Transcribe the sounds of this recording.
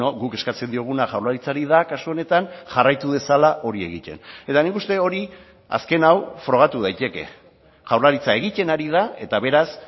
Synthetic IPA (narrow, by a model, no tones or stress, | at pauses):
oɣuke̞skat͡se̞nd̪io̞ɣ̞unaʝawɾlaɾit͡saɾiðakasuo̞ne̞t̪anʝarajt̪uðe̞salaʔo̞ɾie̞̰ɣit̪e̞̰ne̞t̪anikust̪eo̞ɾi | a̰ske̞nawfɾo̞ɣ̞at̪uð̞ajt̪e̞ke̞̰ | ʝawɾlaɾit͡sae̞ɣ̞ic̪e̞naɾiðae̞t̪aβe̞ɾas